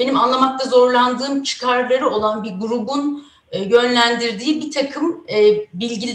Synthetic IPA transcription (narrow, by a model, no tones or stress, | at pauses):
b̥e̞nimanlˠamak̚t̪ʰazo̞ɾlˠand̪ɯːmt͡ʃʰɯ̥kʰaɾlˠaɾɯo̞lˠanbiɾɡuɾubunː | jø̞nlʲænd̪iɾd̪iːbit̪ʰakʰɯmːbilʲɟilʲ